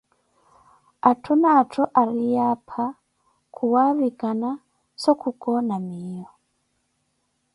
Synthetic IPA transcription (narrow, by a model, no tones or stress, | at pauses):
atʰunatʰoʔaɾijapʰa | kʰuwaβikana | sokukonamijo